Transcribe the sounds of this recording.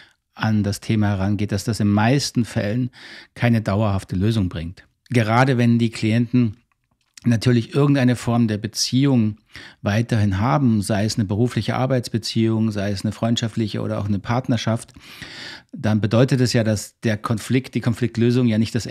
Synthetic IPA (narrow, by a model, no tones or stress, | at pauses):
ʔandastʰeːmaːhɛʁanɡeːt̚d̥asd̥asɪnmaɪstn̩fɛ̰lənkʰaɪnədaʊɐhaftəløːzʊŋbʁɪŋt | ɡ̥əʁaːdəvɛndiːkʰl̥iɛntn̩ | natʰyːɐlɪçʔɪɐɡŋ̩tʔaɪnəfɔɐmdeːɐbət͡siːʊŋvaɪtɐhɪnɦaːbm̩zaɪɛsnəbəʁuːflɪçəʔa̰ɐbaɪt͡sb̥ət͡siːʊŋzaɪɛsnəfʁ̥ɔʏntʃaftlɪçəʔo̰ːɾɐa̰ʊxnəpʰaɐtnɐʃaft | d̥anbədɔʏtətɛsjaːdasd̥eːɐkʰɔnflɪkt̚d̥iːkʰɔnflɪk̚tløːzʊŋjaːnɪçtd̥as